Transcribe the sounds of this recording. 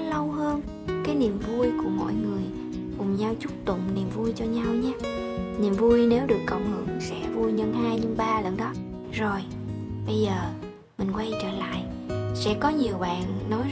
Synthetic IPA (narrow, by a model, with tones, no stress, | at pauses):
lə˧wɦəː˧n | kaː˨˦jni˨˩əmvu˧əjku˧˩əmo̰˧˨jŋɨ˨˩əj | kʊ˨˩ŋ͡mɲaː˧wt͡ɕʊ˦˥k͡p̚t̪ʊ̰˧˨ŋ͡mni˨˩mvu˧jt͡ɕɔ˧ɲa˧wɲaː˦ni˨˩mvu˧jne˨˦wɗɨ˨˩əkːə˧˩wŋ͡mŋɨ̰˨˧˩ŋsɛ̰˧˥vu˧jɲə˧nhaː˧jɲɨ˧ŋɓaː˧lə˨˩nɗɔ˨˦ | zo˨˩j | ɓə˧jzəː˨˩ | mï˨˩ŋ̟kwa˧jt͡ɕəː˧˩la̰ː˧˨j | sɛ̰˧˥kɔ˨˦ɲi˨˩əwɓa̰ː˧˨nːɔ˨˦j